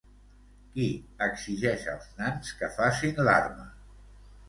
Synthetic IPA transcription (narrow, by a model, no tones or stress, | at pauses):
kiəɡziʒɛʃə̰lˠznanskəfasinla̰rmə